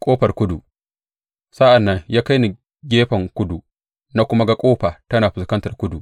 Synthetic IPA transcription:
kʷʼoː˦ɸɐ˨rkʷʊ˦du˨ | sɐ˦ʔa˨nːɐ˦ŋjaː˦ka˦jni˨ | ɡʲeː˦ɸɐ˨ŋkʷʊ˦du˨ | na˦kʷʊ˦ma˦ɡa˨kʷʼoː˦ɸaː˨tɐ˦naː˨ɸɪ˨skɐ˦ntɐ˨rkʷʊ˦du˨ʔ

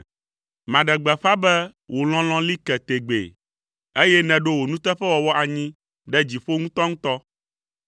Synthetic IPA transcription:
mã˨ɖɛ˨ɡ͡bɛ˨ɸa˦bɛ˦wʔo˨l̃ɔ̃˦l̃ɔ̃˦li˦kɛ˨t̪e˨ɡ͡bḛ˨ | e˦jɛ˦nɛ̃˨ɖo˦wo˨nũ˦t̪ɛ˦ɸɛ˦wɔ˨wɔ˦ʔa˨ɲĩ˦ | ɖɛ˦d͡ʑi˨ɸo˦ŋũ˦t̪ɔ˦ŋũ˦t̪ɔ˦

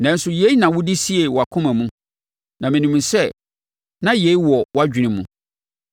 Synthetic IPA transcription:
nɛ̃˨˦n̩˦sʊ˦je˦i˦nã˨wʊ˦dɪ˦si˦e˨wɔ˨a˨kʰʊ̃˦mæ̃˨mũ˦ | nã˨mɪ̃˨nĩ˨mũ˨sɛ˦ | nã˦je˨˦i˦wɔ˨wa˦d͡ʑᶣi˨nɪ̃˨mũ˨˦

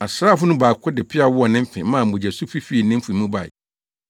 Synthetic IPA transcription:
a˨sɾaː˦˨fʊ˦nʊ̃˦baː˨kʰʊ˦dɪ˨pʰɪ˦a˨wʊ˦ɔ˨nɪ̃˦m̩˦fɪ̃˨mãː˦˨m̩˨bʊ̃˨d͡ʑæ˨su˦fi˦fi˦i˨nɪ̃˦m̩˦fu˨mũ˦ba̰˨ɪ̰˨

